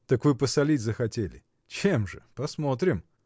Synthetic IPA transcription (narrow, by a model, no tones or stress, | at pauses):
t̪əkvɨpəsɐlʲitʲzəxɐtʲelʲɪ | t͡ɕemʐɨ̰pɐsmo̞t̪ɾʲɪm